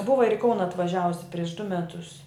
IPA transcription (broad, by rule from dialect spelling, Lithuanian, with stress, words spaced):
ˈbʊʋɐ ɪr ɪ ˈkɐʊnɐ ɐtʋɐˈʒʲæːʋʊsʲɪ pʲrʲiɛʃ dʊ mʲɛˈtʊs